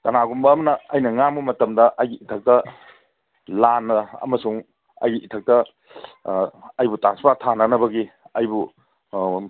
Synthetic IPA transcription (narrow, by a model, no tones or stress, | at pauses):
tɐnaɡumbɐːmɐnɐɐjnɐŋambumɐtɐmdɐʔɐjɡiʔitʰɐk̚tɐ | lanːɐɐ̰mɐsuŋ | ɐ̰jɡiʔitʰɐk̚tɐ | ɐjbutaspatʰanɐnɐbɐɡiɐjbu